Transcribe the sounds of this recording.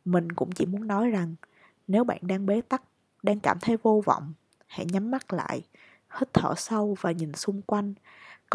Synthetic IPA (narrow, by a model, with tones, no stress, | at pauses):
mï˨˩ŋ̟kʊ̰˧˥ŋ͡mt͡ɕḭ˧˩mu˨˦ənːɔ˨˦jza˨˩ŋ | ne˨˦wɓa̰ː˧˨nɗaː˧ŋɓe˨˦t̪a˦˥k̚ | ɗaː˧ŋkaː˧˩mt̪ʰə˨˦jvo˧vɔ̰˧˨wŋ͡m | hɛ̰˧˥ɲa˨˦mːa˦˥k̚la̰ː˧˨j | hə˦˥t̚t̪ʰə̰ː˧˩sə˧wvaː˨˩ɲi˨˩nsʊ˧ŋ͡mkwa˧jŋ̟ | k